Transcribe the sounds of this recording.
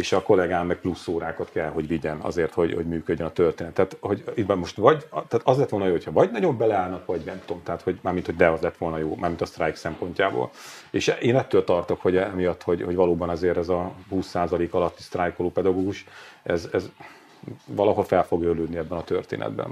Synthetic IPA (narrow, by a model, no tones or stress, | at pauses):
eːʃɒko̞lɛɡaːmːɛɡ̚plusːoːɾaːkɒt̪kɛlɦo̞ɟʋiɟɛnɒ̰zeːrt̪ho̞ɟho̞̰ɟmyːkødɟːønɒt̪ørt̪eːnɛt̪ːaːt̪ho̞ɟibɛmmo̞ʃt̪ʋɒɟt̪aːt̪ɒzlɛt̪ʋoljoːhochɒvɒɟnɒɟo̞mbɛlɛaːlnɒkʋɒɟmɛmt̪o̞mt̪ɛɦat̪ho̞ɟmaːɾmint̪ho̞ɟd̪ɛɒzlɛt̪ʋo̞lnɒjoːmaːrmint̪ɒst̪rajksɛmpo̞ɲcaːbo̰ːl | eːʃeːnɛt̪ːøːlt̪ɒrt̪o̞kho̞ɟɛmijɒt̪ːho̞ɟho̞ɟvɒloːbɒnɒzeːɾɛzɒhuːsːaːzɒleːkɒlɒt̪ːi̥st̪rajkoloːpɛd̪ɒɡoːɡuʃɛzɛz | vɒlɒɦolfɛlfo̞ɡøːløːd̪niɛbːɛnɒt̪ørt̪ḛːnɛ̰d̪bɛ̰n